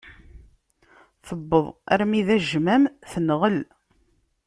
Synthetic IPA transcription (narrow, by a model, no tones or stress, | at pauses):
θəbːəðˤæɾmiðæʒmæmθənʁəl